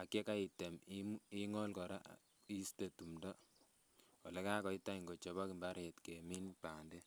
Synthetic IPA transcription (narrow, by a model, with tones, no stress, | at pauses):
a˨kːe˦ka˦i˨te˨mi˦ŋɔ˦lkɔ˨ɾa̰˦ | i˦ste˨tu˨mdɔ˦ | ɔ̰˨lɛ˦kaː˦kɔ˨i˦tːa˦i˨ŋɡo˨t͡ʃɔ˨ba˦ki˨mba˦ɾe˨tke˨mi˦npa˨nde˦